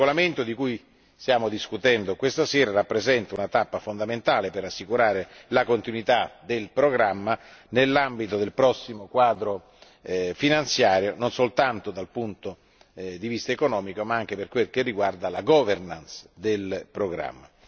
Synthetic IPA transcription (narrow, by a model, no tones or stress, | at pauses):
olament̪od̪ikuj | st̪jaːmod̪iskut̪ɛnd̪okwest̪asɛːɾarapːɾezɛnt̪aunat̪apːafond̪ament̪aːleperasːikuɾaːɾelakont̪inwit̪ad̪elpɾoɡɾamːanelːambit̪od̪elpɾɔsːimokwaːd̪ɾo | finant̪sjaːɾjononsolt̪ant̪od̪alpunt̪o | d̪ivist̪aekonɔːmikomaaŋk̟eperkwelk̟erːiɡward̪alaɡɔːvernansd̪elpɾoɡɾa̰mːa